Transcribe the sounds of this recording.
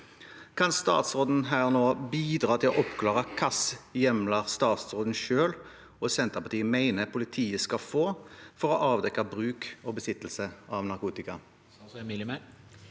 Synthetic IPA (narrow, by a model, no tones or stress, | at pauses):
kʰɑnst̪ɑ̰ːt̪sʁoːd̪n̩ɦæːʁnoːbiːd̪ʁɑːt̪ʰɪlɔʔɔpkʰlɑːʁəkʰɑsjɛmlɑʁst̪ɑːt̪sʁoːd̪n̩ʃøːl | ɔsɛnt̪əʁpɑʁt̪iːəmæɪnəpʰʊlɪt̪ʰiːəskɑfoːfɔʁɔʔɑːʋd̪ɛkɑbʁʉːkɔːbəsɪt̪ːl̩səʔɑʋnɑʁkuːt̪ɪkɑ | ɪlm